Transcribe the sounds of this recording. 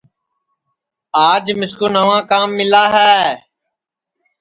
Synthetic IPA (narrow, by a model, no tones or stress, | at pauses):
aːd͡ʒmɪskuːnəʋãːkaːmːɪlaːɦɛː